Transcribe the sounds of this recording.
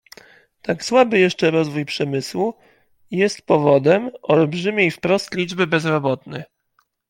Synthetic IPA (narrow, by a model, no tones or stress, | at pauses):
t̪akswabɘjɛʂt͡ʂɛɾɔzvujpʂɛmɘswu | jɛst̪pɔvɔd̪ɛmɔlbʐɘmʲejfpɾɔst̪lʲid͡ʐbɘbɛzɾɔbɔt̪nɛ̰